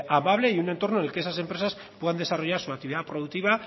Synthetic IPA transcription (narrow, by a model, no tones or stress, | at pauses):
amaβ̞le̞iune̞nt̪o̞ɾnone̞lkeesase̞mpɾesas | pwe̞ðand̪e̞saro̞ʝaɾsuak̚t̪iβiðapɾo̞ðuk̚t̪iβa